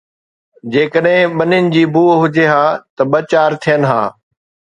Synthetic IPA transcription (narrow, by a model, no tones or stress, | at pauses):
d͡ʑeːkəɗɦɪ̃ɓɐnɪnɪ̆d͡ʑiːbuːɦʊd͡ʑeɦaːt̪ɐɓɐt͡ɕaːɾt̪ʰijənɪɦa̰ː